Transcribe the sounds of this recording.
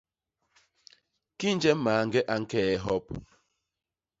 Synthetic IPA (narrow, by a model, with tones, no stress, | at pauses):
ki˦n̩˦d͡ʒe˦m̩˦maː˨ŋ̩˦ɡe˦ʔa˦ŋ̩˦ke˦e˦ɦɔ˦p